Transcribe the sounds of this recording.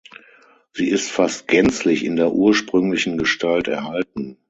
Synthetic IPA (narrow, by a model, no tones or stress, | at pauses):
z̥iːɪstfast̚ɡ̥ɛnt͡slɪçɪndeːɐʔuːɐʃpʁ̥ʏŋlɪçn̩ɡəʃtʰaltɛ̰ɐhaltn̩